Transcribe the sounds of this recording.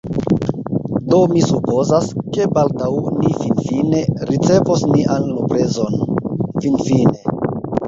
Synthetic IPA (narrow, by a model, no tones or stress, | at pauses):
do̞misupo̞zaske̞baldawnifinfine̞ɾit͡se̞vosniʔanlopɾe̞zo̞nfinfine̞